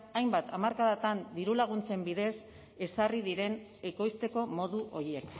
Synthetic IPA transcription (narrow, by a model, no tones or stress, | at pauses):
ajmbat̪amaɾkaðat̪and̪iɾulaɣ̞unt͡se̞mbiðe̞s | e̞sariðiɾe̞n | e̞ko̞jst̪e̞ko̞mo̞ðuʔo̞ɾie̞k